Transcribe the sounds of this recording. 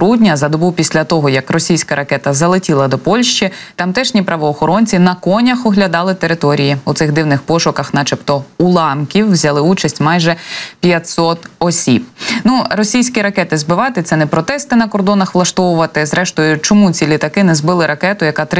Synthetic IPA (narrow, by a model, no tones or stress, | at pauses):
ɾudʲnʲɐzɐd̪ɔbupʲisʲlʲɐt̪ɔɦɔjɐkrɔsʲijsʲkɐɾɐkɛt̪ɐzɐlˠɪtʲilˠɐd̪ɔpɔlʲʃt͡ʃit̪ɐmt̪ɛʃnʲipɾɐʋɔːxɔɾɔnʲt͡sʲinɐkɔnʲɐxɔɦlʲɐd̪ɑlˠɪt̪eɾɪt̪ɔɾʲijiut̪sɪɣd̪ɪwnɪxpɔʃʊkɐxnɐt͡ʃɪpt̪ɔulˠɑmkʲiwːzʲɐlˠɪut͡ʃɐsʲtʲmɑjʒɛpʲjɐtʲsɔt̪ɔsʲib̚nuɾɔsʲijsʲkʲiɾɐkɛt̪ɪzbɪʋɑt̪ɪt̪sɛnɛpɾɔt̪ɛst̪ɪnɐkɔrd̪ɔnɐxʋlˠɐʃt̪ɔwʊʋɐt̪ɪzɾɛʃt̪ɔjʊt͡ʃɔmut͡sʲilʲit̪ɐkɪnɛzbɪlˠɪɾɐkɛt̪ʊjɐkɑt̪ɾ